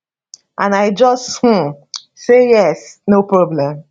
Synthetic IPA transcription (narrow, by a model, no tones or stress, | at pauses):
ʔãnaɪd͡ʒɔsth̩ | sejɛsnopɹɔblɛ̃m